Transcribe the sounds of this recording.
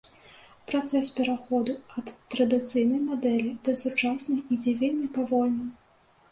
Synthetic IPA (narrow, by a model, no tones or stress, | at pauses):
pɾat̪sɛspʲɛɾaxɔd̪uɐt̪ːɾɐd̪ɨt̪sɨjnɐjmad̪ɛlʲid̪̥ɐsut͡ʂasnɐjid͡zʲɛvʲelʲmʲipavɔlʲnɨ